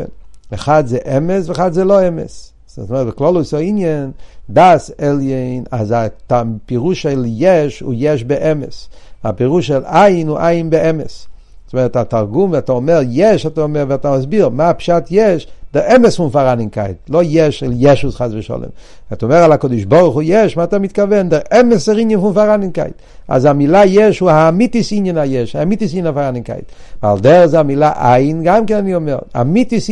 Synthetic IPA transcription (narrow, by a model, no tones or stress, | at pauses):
nmɪχadzɛʔɛmɛsvɪχadzelˠɔɛmɛ̰s | ssmɛbɪklˠɔlˠʊɪsɔinjəndasɛlˠjenazatapiʁuʃɛlˠjɛʃʊ̰jɛʃbɪʔɛmɛ̰sapiʁuʃɛlaɪnʊʔaɪnbɪɛmɛs | smɛʁtataʁɡumataɔmɛɾjɛʃhatɛɔmɛɾvɛʁtamas̬biɾmapʃatjɛʃdɛɾɛməsfunfaɾanɪŋka̰ɪtlˠojɛʃɛljɛʃusχazvəʃɔ̰lˠɛ̰m | vɛtɔmɛʁalˠakɔdɪʃbɔʁχujɛʃmatɛmɪt̚kavɛndɛʁɛməsɛɾinjənfunfaʁanɪŋka̰ɪt | a̰zamilˠajɛʃhuamitisinjənajɛʃamitis̬inənafaʁanɪŋka̰ɪtva̰lˠdɛʁzamilˠaʔaɪnɡamkɛnaniɔmɛʁa̰mitis